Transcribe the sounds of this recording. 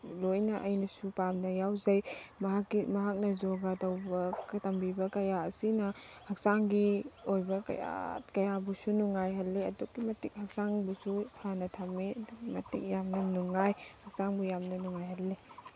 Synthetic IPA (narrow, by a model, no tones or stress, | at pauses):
lojnɐʔɐjnɐsupamnɐjawzɐjmɐɦakːimɐɦak̚nɐzɔɡatɐwbɐktambibɐkɐjaɐsinɐhɐk̚saŋɡiojbɐkɐ̰ja̰t̚kɐjabusunuŋajɦɐlːeɐdukːimɐtik̚hɐk̚saŋbusupʰanɐtʰamːeɐduɡimɐtḭk̚jamnɐnuŋːajhɐk̚saŋbujamnɐnuŋajɦɐlːe